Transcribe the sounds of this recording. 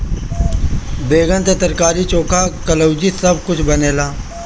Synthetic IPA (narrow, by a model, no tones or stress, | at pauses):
beːɡənt̪et̪əɾkaːɾit͡ʃoːkʰakɐləʊd͡ʒisɐb̚kʊt͡ʃʰbɐneːlaː